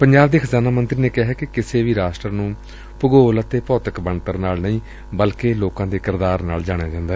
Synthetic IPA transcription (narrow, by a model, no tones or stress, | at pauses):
pəɲd͡ʒaːb̚d̪eːkʰəzaːnaːmənt̪ɾiːneːkɪɦɛːkɪkɪseːʋiːɾaːsʈəɾnũː | pʊɡoːlət̪eːpɔːt̪əkbəɳt̪əɾnaːlnəĩː | bəlkeːloːkãːd̪eːkɪɾd̪aːɾna̰ːld͡ʒaːɽ̃ejaːd͡ʒãːnd̪aːɛː